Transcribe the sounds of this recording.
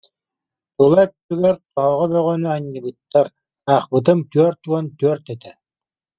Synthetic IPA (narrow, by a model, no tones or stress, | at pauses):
t̪ulˠajt̪yt̪yɡɛɾt̪ɔɦɔʁɔbœʁœnyaɲːɯbɯt̪ːaɾ | aːχbɯt̪̬ɯmt̪yœɾt̪uant̪yœɾt̪ɛt̪ɛ